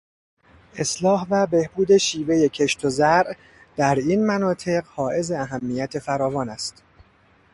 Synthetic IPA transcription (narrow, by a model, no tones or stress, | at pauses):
ʔe̞slɒːhvæbe̞hbuːd̪e̞ʃiːve̞je̞cʰe̞ʃt̪ʰozæɾʔ | d̪̥æɾiːnmænɒːt̪ʰe̞ɢhɒːʔe̞ze̞æɦæmːijæt̪ʰe̞fæɾɒːvɒːnæst̪